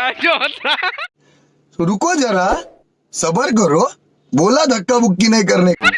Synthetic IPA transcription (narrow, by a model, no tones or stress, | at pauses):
jot̪a | suɾukod͡ʒəɾa | səbəɾkəɾo | bolad̪ʱəkːabukːinajk̬əɾne